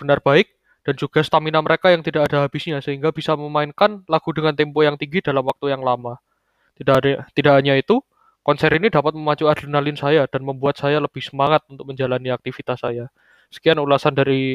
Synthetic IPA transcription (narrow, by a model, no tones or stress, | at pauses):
b̥ənarbaɪk̚ | d̥and͡ʒuɡ̥asə̥t̪aminaməɾekajaŋt̪idakadaɦab̥ɪsɲasəɦiŋɡab̥isaməmaɪnkanlaɡ̥udəŋant̪impojaŋt̪iŋɡidalamwak̚t̪ujaŋlama | t̪idakɦaɲait̪u | kɔnsɛɾinidapat̪̚məmat͡ʃuadəlnaliɪnsajad̥anməmbuat̪̚sajaləb̥ɪhsəmaŋat̪̚unt̪ʊk̚məɲd͡ʒalaniak̚t̪ifit̪asːaja | sə̥kianulasandaɾi